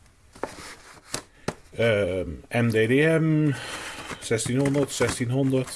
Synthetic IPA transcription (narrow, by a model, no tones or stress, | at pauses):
ɛmdedeɛm | sɛstinhondərtsɛstinɦondərt